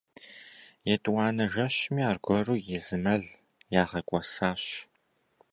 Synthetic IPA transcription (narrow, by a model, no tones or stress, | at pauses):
jɛtʼwɑːnɐʒɐɕmiːaːrɡʷɔruːjɪzɨmɐɮ | jaːʁɐkʷʼɔsaːɕ